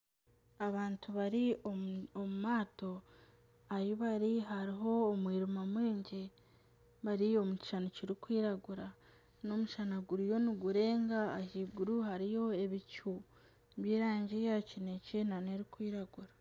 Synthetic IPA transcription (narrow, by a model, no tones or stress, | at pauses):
aβaːntuβaɾioomumaːto̞ | ajiβaɾiɦaɾiɦo̞ːmwiːɾumamwiːɲɟe | βaɾio̞muci̥ʃanociɾikwiːɾaɡuɾa | no̞muʃanaɡuɾijo̞niɡuɾe̞ːŋɡaːhiɡuɾuhaɾijo̞e̞βicu | βjiːɾaːɲɟejacine̞cenaneɾikwiːɾaɡuɾa